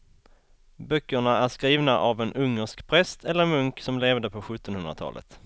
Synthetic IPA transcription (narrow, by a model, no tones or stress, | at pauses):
bœkːəɳaæʂkɾiːvnaʔavɛnɵŋːəʂkpʰɾɛst̪ʰɛlːəɾmɵŋksɔmleːvd̪əpʰɔɧɵt̪ːɔnhɵnɾat̪ʰɑ̰ːlə̰t̪